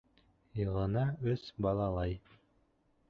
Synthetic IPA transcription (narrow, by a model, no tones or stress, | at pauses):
jɤ̆ʁɤ̆nɑɵsbɑlˠɑlˠɑj